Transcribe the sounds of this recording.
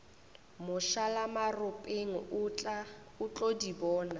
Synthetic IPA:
mʊʃalamarʊpʼeŋ̩ʊt͡ɬa | ʊt͡ɬʼodibɔːna

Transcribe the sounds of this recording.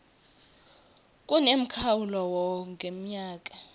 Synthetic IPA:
kʼunem̩kʰawulɔwɔŋɡʱem̩ɲaːkʼa

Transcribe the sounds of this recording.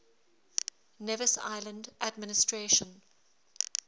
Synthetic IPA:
nɛvəsa̰ɪlə̃ndʔadmɪnɪstʰɹeːʃə̃n

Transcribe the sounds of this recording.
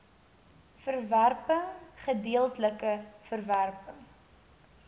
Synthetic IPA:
fərværpəχədiəlˠtləkəfərværpəŋ

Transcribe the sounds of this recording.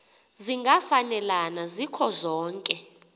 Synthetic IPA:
ziŋɡʱafanɛlanazikʰɔzɔːŋkʼɛ

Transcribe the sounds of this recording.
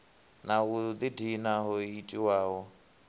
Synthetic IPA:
naud̪idinaɦɔitʼiwaːɦɔ

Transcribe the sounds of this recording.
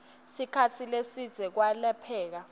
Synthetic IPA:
sikʰatʰilesid̥z̥ʱɛk̬walɛpʰɛːk̬a

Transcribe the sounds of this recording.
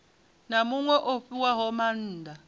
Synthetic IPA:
namuŋwɛʔofiwaɦɔman̩ːdʱa

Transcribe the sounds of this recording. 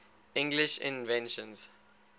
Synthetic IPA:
ɪ̃ŋɡlɪʃɪ̰̃nvɛ̃nʃə̃nz̥

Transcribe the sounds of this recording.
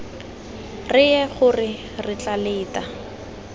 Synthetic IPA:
rɪɛχʊrɪ | rɪt͡ɬaleːtʼa

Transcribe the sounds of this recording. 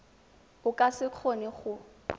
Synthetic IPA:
ʊkʼasɪq͡χʰonɪχʊ

